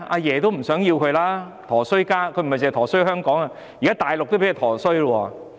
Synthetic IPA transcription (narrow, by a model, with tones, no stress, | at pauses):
a˧jɛː˨˩t̪o˥wm̩˨˩sœː˨˥ŋjiː˧wkʰɵ˧ɥlaː˥ | t̪ʰɔː˨˩sɵ˥ɥkaː˥kʰɵ˧m̩˨jt͡sɛː˨t̪ʰɔː˨˩sɦœː˥ŋkɔː˨˥ŋɐ˧ | jiː˨kaː˥t̪aː˨jlʊ˨k̚t̪o˥pe˨˥ji˨˩t̪ʰɔː˨˩sɵ˥ɥlwɔː˧˩